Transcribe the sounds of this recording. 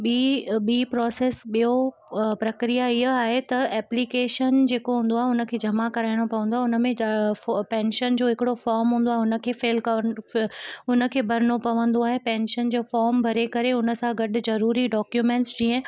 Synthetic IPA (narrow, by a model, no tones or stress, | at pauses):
ɓiɓiːpɾɔːseːsɓijo | pɾɐkɾijaiɦaːɦet̪ɐɛːplikeːʃənd͡ʑeːkoɦũːnd̪oaːɦeʊnə̆kʰeːd͡ʑʱɐmakɐɾaːɪɽ̃opɐʋə̃nd̪oaɦɪʊnə̆mẽ | pɛ̃ːnʃənd͡ʑoːɦɪkɪɽofɔːɾmɦũːn̆d̪oaːɦɪʊnə̆kʰeːfeːlkɐ | ʊnəkʰeːbʱɐɾɪnopɐʋə̃nd̪oaːɦepɛ̃ːnʃənd͡ʑoːfɔːɾmbʱɐɾekɐɾeʊnə̆sãɡɐɗʊ̆zɐɾuːɾiɖɔːkjumẽːɳʈsd͡ʑiːə̃